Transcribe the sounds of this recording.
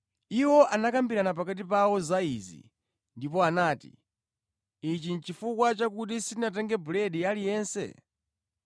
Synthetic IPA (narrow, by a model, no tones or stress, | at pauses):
iwɔʔanakambiɾanap̬akat̬ipawɔzaizḭ | ndipɔanaːtḭ | it͡ʃint͡ʃifukwat͡ʃakut̬isinat̬ɛŋɡɛbulɛɗialijɛːnsɛ̰